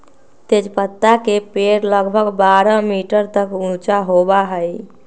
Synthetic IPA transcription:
t̪ed͡ʒpət̪ːakepeɾləɡbʱəɡbaɾəmiʈəɾt̪əkũt͡ʃaɦobaɦəj

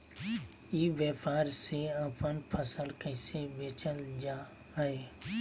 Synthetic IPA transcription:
iʋjəpaːɾseəpənpʰəsəlkəɪseʋeːt͡ʃəld͡ʒaː | ɦəeː

